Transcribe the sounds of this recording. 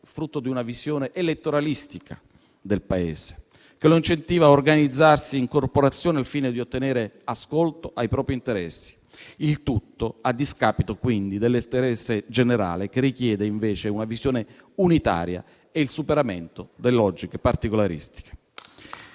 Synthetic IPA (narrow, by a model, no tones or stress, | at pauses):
fɾut̪ːod̪iunavizjoːneʔelet̪ːoɾalist̪ika̰ | d̪elpaḛːz̥e̥ | keloint͡ʃent̪iːvaorɡanid̪zːarsiːŋkorpoɾat̪sːjoːnealfiːned̪iot̪ːeneːɾeaskolt̪oʔajpɾɔːpɾint̪eɾɛsːi̥ | ilt̪ut̪ːoad̪ːiskaːpit̪okwind̪id̪elːest̪eɾɛsːed͡ʒeneɾa̰ːlek̟erːik̟jɛːd̪eiɱveːt͡ʃeunavizjoːne | unit̪a̰ːɾja̰ | eilsupeɾament̪od̪elːelɔd͡ʒikepart̪ikolaɾḭst̪i̥ke̥